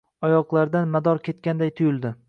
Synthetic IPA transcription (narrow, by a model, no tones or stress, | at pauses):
ɒjɒqlˠaɾd̪anmad̪ɒɾkʲʰe̞t̪̚kʲand̪ajt̪ʰʊjɪlˠd̪ɪ